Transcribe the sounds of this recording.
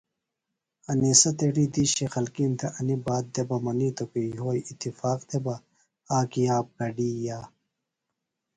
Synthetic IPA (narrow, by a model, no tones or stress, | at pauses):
ɐnisɐt̪eɽiːd̪iɕixɐlkint̪ʰeʔɐnibaːd̪̚d̪ebɐmɐnit̪okejɦoːjit̪ːifaːqt̪ʰebɐ | aːkijaːp̚kɐɖiːjaː